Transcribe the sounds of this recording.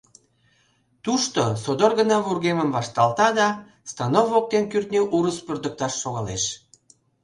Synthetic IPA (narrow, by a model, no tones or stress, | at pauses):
t̪uʃt̪osod̪orɣənɑβurɣeməmvɑʃt̪ɑlt̪ɑd̪ɑ | st̪ɑnovok̚t̪enkyrt̪neʔuɾəspørd̪ək̚t̪ɑʃːoɣɑleʃ